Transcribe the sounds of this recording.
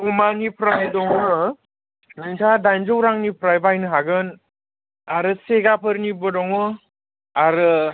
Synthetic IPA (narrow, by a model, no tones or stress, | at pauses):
umanipʰɾajdɔŋɯ | nɯŋtʰadajnd͡ʒowɾaŋnipʰɾajbajnɯɦaɡɯn | aɾɯseɡapʰɯɾnibɯdɔŋɯ | aɾɯ